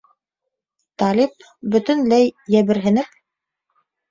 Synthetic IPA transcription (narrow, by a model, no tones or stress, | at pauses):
t̪ɑlʲip̚ | bɵ̆t̪ɘ̆nlæjːæβɘ̆ɾɦɘ̆nɘp̚